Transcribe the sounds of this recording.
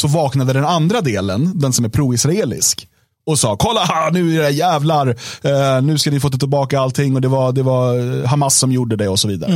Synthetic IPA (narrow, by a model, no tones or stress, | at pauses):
sɔvɑːknad̪əd̪ɛnand̪ɾad̪eːlə̰nd̪ɛnsɔmæɾpʰɾuːɪsɾaeːlɪ̰sk | ɔsɑːkʰɔlːahanʉ̟ːæɾɛjæːvlaɾ | nʉ̟ːskanɪfoːt̪t̪ɪlbɑːkaalt̪ʰɪŋːɔd̪ɛvaɾd̪ɛvaɦamasːɔmjuɖːəd̪ɛɔsɔviːd̪a̰ɾə